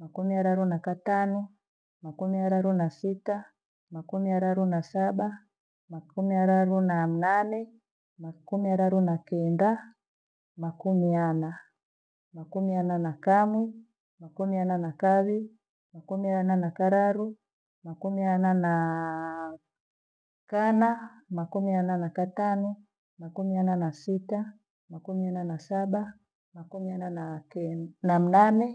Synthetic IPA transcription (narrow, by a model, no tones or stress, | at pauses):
makumiaɾaɾunakatanu | makumiaɾaɾunasita | makumiaɾaɾunasaɓa | makumiaɾaɾunam̩nanɛ | makumiaɾaɾunakɛnda | makumiana | makumiananakamwi | makumiananakaβi | makumiananakaɾaɾu | makumianana | kana | makumiananakatanɔ | makumiananasita | makumiananasaɓa | makumiananakɛnam̩nanɛ